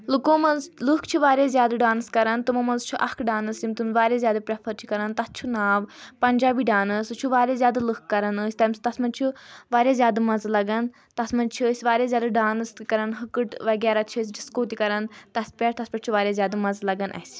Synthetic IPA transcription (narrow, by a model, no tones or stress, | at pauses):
lukõːmɐnzlɨkʰt͡ʃʰuʋaːɾʲeːzjaːd̪aɖaːnskɐɾɐnt̪umɐmɐnzt͡ʃʰuʔɐkʰɖaːnɨsjimt̪umʋaːɾʲaːzʲjaːd̪ɐpɾepʰɐɾt͡ʃʰi̥kɐɾɐnt̪ɐst͡ʃʰunaːʋpɐɲʲd͡ʒaːbiːɖaːnɨst͡ʃʰuʋaːɾʲezʲjaːd̪alɨkkːɐɾɐnəsʲt̪ɐmʲst̪ɐsmɐnt͡ʃʰuʋaːɾʲjaːzʲjaːd̪ɨmɐnzlɐɡɐn | t̪ɐsmɐnd͡ʒt͡ʃʰisʲʋaːɾaːzʲjaːd̪ɨɖaːnskɐɾɐnɦɨkɨʈʋɐɡʲaːɾaːt͡ʃʰis̬ʲɖiskoːt̪ikɐɾɐnt̪ɐspʲɛɾt̪ɐspɐʈt͡ʃʰuʋaːɾjazʲjaːd̪amɐnzlɐɡɐnʔɐ̰sʲ